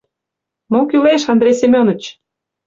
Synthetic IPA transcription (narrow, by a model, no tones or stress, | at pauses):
mokyleʃɑnd̪ɾʲejsemʲonə̆t͡ɕ